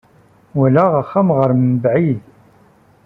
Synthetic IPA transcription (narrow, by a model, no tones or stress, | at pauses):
wælæʁəχːamʁəɾmbʕið